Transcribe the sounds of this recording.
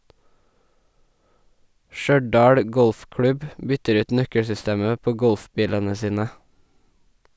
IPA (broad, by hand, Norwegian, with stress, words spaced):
ˈʃœɖɑːɽ ˈɡɔlfˌklʉb ˈbʏtəɾ ˈʉːt ˈnœkəɽsʏˌsteːmə ˈpoː ˈɡɔlfˌbiːlənə ˈsiːnə